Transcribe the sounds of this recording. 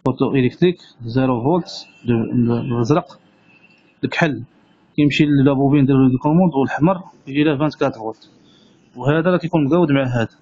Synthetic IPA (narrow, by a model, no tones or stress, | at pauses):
fot̪ˤuʔilek̚t̪ɾik | ziɾuɣolt̪ | əzɾɑq | ləkħəlː | kæjəmʃilːæbubind̪ælkʊmud̪wəlħməɾˤkʒilæfænt̪kæt̪əlɣʊlt̪ | whæd̪æɾˤɑkæjkunmɡæwəd̪maʕɦæd̪æ